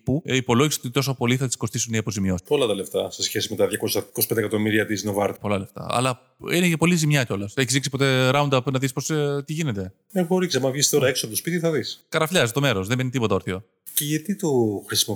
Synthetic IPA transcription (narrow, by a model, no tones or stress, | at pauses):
puipo̞lo̞ʝisi̥o̞t̪it̪o̞sopo̞liθɐt̪i̥sko̞st̪isuniɐpo̞zimopo̞lɐt̪ɐle̞ft̪ɐse̞sçesime̞t̪ɐðʝɐko̞sɐkospend̪ekɐt̪o̞miɾiɐt̪izinovɐɾt̪po̞lɐle̞ft̪ɐ̰ɐ̰lɐ | inecɐpo̞lizimɲɐco̞lɐseçizðiksipo̞t̪e̞ɾɐund̪ɐpnɐðispo̞st̪iʝine̞t̪e̞ | exoɾiksɐmɐvʝist̪o̞ɾɐeksopot̪opit̪iθɐðiskɐɾɐfʎɐst̪o̞me̞ɾo̞sðembenit̪ipo̞t̪ɐoɾθio̞ | ceʝɐt̪it̪oxɾisimo